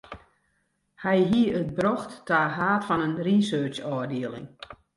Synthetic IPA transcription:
hɛjɦiəət̚bɾɔxtːaːɦaːtfɔnənrisøːt͡ʃɔːrdiəlɪ̰ŋ

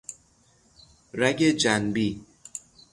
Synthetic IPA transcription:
ɾæɡed͡ʒænbi

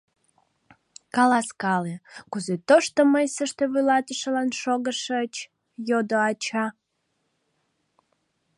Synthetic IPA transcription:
kɑlɑskɑlekuzet̪oʃt̪oməjsəʃt̪eβulɑt̪əʃəlɑnʃoɣəʃət͡ɕ | jod̪oɑt͡ɕɑ

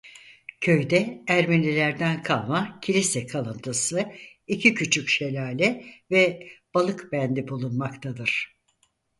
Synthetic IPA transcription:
cʰø̞jd̪ɛæɾminlʲilʲæɾd̪ænkʰalˠmacʰilʲisɛkʰalˠɯnt̪ʰɯsɯ | icʰicʰyt͡ʃʰycʃe̞lʲaːlʲɛvɛb̥alˠɯkbænd̪ibulˠunmakt̪ʰad̪ɯɾ̥

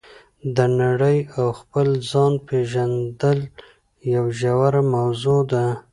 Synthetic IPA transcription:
d̪ənaɽəjawxpəlzɑnpeʒand̪əl | jawʒawaɾamawzod̪a

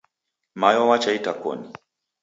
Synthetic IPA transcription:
majɔwat͡ʃaitakɔ̰ni

